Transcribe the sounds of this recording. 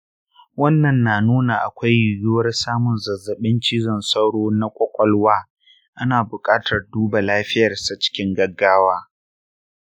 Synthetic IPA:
wɐ˦nːɐ˨nːaː˨nuː˦na˨ʔa̰˨kʷa˦jːʊ˨ɡʊ˦wɐ˦rsaː˦mʊ˨nzɐ˨zːɐ˨ɓɪ˦nt͡ʃiː˦zɔ˨nsa˦wɽoː˦na˦kʷʼɔ˦kʷʼɔ˦lwaː˦ | ʔa˦naː˨bʊ˨kʼaː˦tɐ˨rduː˦ba˨laː˦ɸɪ˦jɐ˨rsa˦t͡ʃɪ̥˦kʲɪ˦ŋɡɐ˦ɡːaː˦waː˦

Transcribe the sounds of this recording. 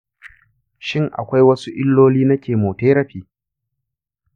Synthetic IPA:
ʃɪ˦ŋʔa̰˨kʷa˦jwɐ˦su˦ʔɪ˦lːoː˦liː˦nɐ˦kʲeː˨moː˨teː˦ɾɐ˦ɸiː˨˦

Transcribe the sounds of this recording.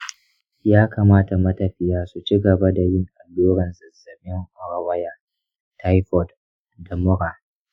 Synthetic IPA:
jaː˦kaː˨maː˦ta˨mɐ˦tɐ˨ɸɪ˦jaː˦su˨t͡ʃi˦ɡɐ˨ba˦da˨jɪ˦ŋʔa˨loː˦ɽɐ˨nzɐ˨zɐ˨ɓɪ˦ŋʔʊ˨ɾa˨wɐ˦jaː˨ | tʰa˦jɸɔ˨d | da˨mʊ˦ɾaː˨

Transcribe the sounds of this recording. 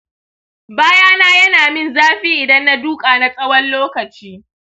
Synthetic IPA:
baː˦jaː˦naː˦jɐ˦naː˨mɪ˦nzaː˦ɸiː˦ʔɪ˨dɐ˦nːa˦duː˦kʼaː˨na˦sʼɐ˦wɐ˦nloː˦kɐ˨t͡ʃiː˦

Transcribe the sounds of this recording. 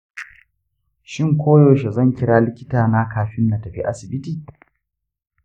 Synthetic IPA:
ʃɪ˦˨ŋkʷoː˦joː˨ʃe˨zɐ˦˨ŋkʲɪ˦ɽaː˦lɪ˦kʲɪ˦taː˨na˦kaː˦ɸɪ˦nːa˨tɐ˨ɸḭ˦ʔa˦sɪ˨bɪ˦tiː˨

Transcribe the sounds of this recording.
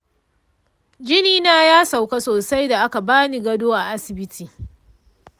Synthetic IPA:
d͡ʒɪ˦niː˦naː˦jaː˦sa˨wka˦soː˨sa˦jda˨ʔa˦ka˨baː˦ni˨ɡɐ˦doː˦ʔa˨ʔa˦sɪ˨bɪ˦tʰiː˨

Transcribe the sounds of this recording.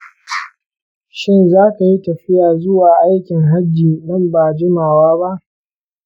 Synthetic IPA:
ʃɪ˦nzaː˦ka˨ji˦tɐ˨ɸɪ˦jaː˨zʊ˦waː˨ʔa˦jkʲɪ˨ŋɦa˦d͡ʒːiː˨ɗɐ˦mbaː˨d͡ʒɪ˦maː˨waː˦ba˦ʔ

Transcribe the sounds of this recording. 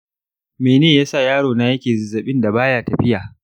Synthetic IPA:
meː˨neː˦˨jaː˦sa˦˨jaː˦ɽoː˨na˦jɐ˦kʲeː˨zɪ˨zːɐ˨ɓɪ˦nda˨baː˦jaː˦˨tɐ˨ɸɪ˦jaː˨

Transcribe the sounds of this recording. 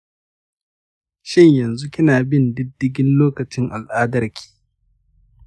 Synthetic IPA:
ʃɪ˦ɲjɐ˨nzu˦kʲɪ˦naː˨bɪ˦ndɪ˦dːɪ˦ɡʲɪ˦nloː˦kɐ˨t͡ʃɪ˦ŋʔa˨lʔaː˦dɐ˦rkʲʰi̥ː˦˨

